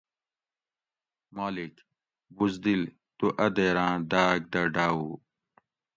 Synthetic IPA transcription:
maːlik | buzd̪il | t̪uʔɐd̪eːɾãːd̪aːɡ̚d̪ɐɖaːu

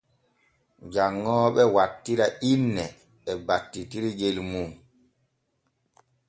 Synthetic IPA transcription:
d͡ʒaŋːɔːɓɛwatːiɾaʔinːɛ | ɛbatːitiɾiɡelmuː

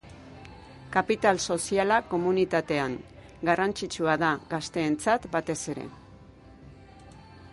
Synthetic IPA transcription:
kapit̪also̞sialako̞munit̪at̪e̞aŋ | ɡarant͡sit͡suaðaɣast̪e̞ːnt͡sat̪bat̪e̞se̞ɾe̞̰

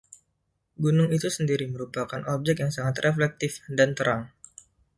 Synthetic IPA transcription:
ɡunʊŋit̪usəndiɾiməɾupakanɔb̚d͡ʒɛk̚jaŋsaŋat̪rʔeflɛk̚t̪ɪfdant̪əɾʔaŋ

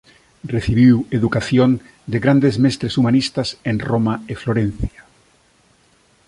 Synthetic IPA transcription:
reθiβiweðukaθjon | d̪eɣɾand̪ezmest̪ɾesumanist̪asẽnromaefloɾẽn̟θja

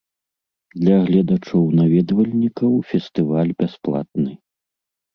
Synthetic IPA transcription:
d̪lʲɐɣlʲad̪at͡ʂɔwnavʲɛd̪vɐlʲnʲikɐwfʲɛst̪ɨvalʲbʲasplˠa̰t̪̚nɨ

